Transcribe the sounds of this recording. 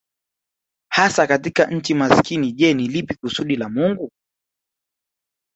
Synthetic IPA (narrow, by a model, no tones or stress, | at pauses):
hasakatikaɲ̩t͡ʃimaskiniʄɛnilipikusuɗilamuŋɡu